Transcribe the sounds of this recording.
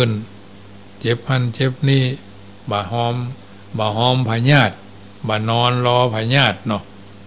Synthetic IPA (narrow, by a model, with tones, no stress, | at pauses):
ɯ˧˩˨n | t͡ɕe˧˦p̚pa˧˩˨nt͡ɕe˧˦p̚niː˧˩˨ | baː˧ɦɔː˧˥m | baː˧˩ɦɔː˧˦˨mpʰa˧ɲaː˧˩t̪̚ | baː˧˩nɔː˧˥nlɔː˧˦pʰa˧ɲaː˧˩t̪̚nɔ˧˩